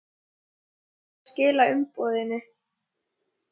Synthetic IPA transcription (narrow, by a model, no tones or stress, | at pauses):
scɪːlaʏmpɔːðɪnːɪ